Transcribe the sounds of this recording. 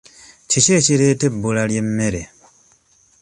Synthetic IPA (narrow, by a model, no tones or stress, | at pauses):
cice̞ːciɾe̞ːtebːulalje̞mːe̞ɾe